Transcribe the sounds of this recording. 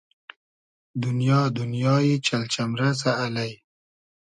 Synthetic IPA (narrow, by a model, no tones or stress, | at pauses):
d̪ʊnjɑːd̪unjɑːjit͡ʃalt͡ʃamɾasaːlaj